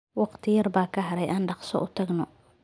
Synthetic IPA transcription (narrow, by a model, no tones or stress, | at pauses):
wɑqt̪ʰɪjɐrbaːkʰɐɦɐɾɛjʔaːnɖɑqsɔ̰ʔʊt̪ʰɐɡnɔ